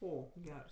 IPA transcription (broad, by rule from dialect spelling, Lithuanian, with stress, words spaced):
ˈoː ˈɡʲɛrs